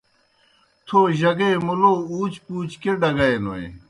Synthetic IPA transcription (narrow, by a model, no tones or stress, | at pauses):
t̪ʰoʑɐɡemulouːt͡ɕpuːt͡ɕkeɖɐɡɐenoḭ